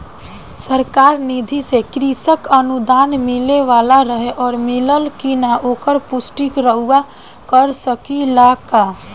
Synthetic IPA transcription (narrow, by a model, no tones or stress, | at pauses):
səɾkaːɾnid̪ʱisekɾisəkənud̪aːnmɪleʋaːlaɾəɦeʔɔːɾmɪləlkinaʔoːkəɾpʊsʈikɾəɦua | kəɾsəkilakaː